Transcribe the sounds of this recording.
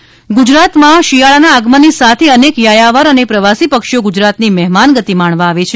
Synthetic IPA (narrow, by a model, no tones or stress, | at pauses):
ɡʊd͡ʒɾat̪mãʃijaɭanaːɡmənisat̪ʰeənekjajaʋaɾənepɾəʋasipəkʃjoɡud͡ʒɾat̪nimɛɦmanɡət̪imaɳ̃ʋãːʋet͡ʃʰe